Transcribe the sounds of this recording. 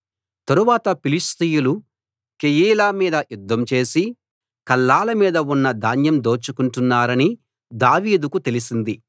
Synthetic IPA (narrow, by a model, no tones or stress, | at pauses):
t̪ɐɾuʋaːt̪ɐpilist̪ijulu | kejiːlaːmiːd̪ɐjud̪ːɐmt͡ʃe̞ːsi | kɐlːaːlɐmiːd̪ɐunːɐd̪ʱaːnjɐmd̪o̞ːt͡ʃukuɳʈunːaːɾɐni | d̪aːʋiːd̪ukut̪e̞lisind̪i